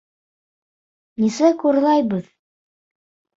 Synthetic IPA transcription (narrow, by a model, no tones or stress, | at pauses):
nisɘkuɾlˠɑjβɤð